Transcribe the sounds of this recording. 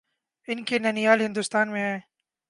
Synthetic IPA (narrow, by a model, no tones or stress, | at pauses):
ɪnkenɐnijaːlɦɪ̃nd̪ʊst̪aːnmẽɦɛ̃ː